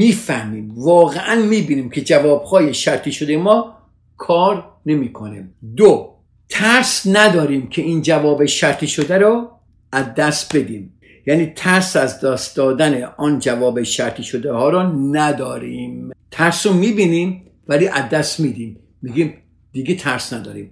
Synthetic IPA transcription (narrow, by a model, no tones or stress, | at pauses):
miːfæhmiːmvɒːɣeʔænmiːbiːniːmkʰe̞d͡ʒævɒːbhɒːjeʃæɾt̪ʰiːʃod̪ejmɒː | kʰɒːɾ | ne̞miːkʰonimd̪o | t̪ʰæɾsnæd̪ɒːɾiːmkʲʰe̞ʔiːnd͡ʒævɒːbe̞ʃæɾt̪ʰiːʃod̪æɾɔ | æzd̪æst̪be̞d̪iːm | jæniːt̪ʰæɾsæzd̪ɒːst̪d̪ɒːd̪æneʔɔːnd͡ʒævɒːbeʃæɾt̪ʰiːʃod̪ehɒːɾɔnæd̪ɒːɾimt̪ʰæɾsɔmiːbiːniːm | væliːʔæd̪ːæst̪miːd̪iːmː | iɡʲim | d̪̥iɡet̪ʰæɾsnæd̪ɒ̰ːɾḭm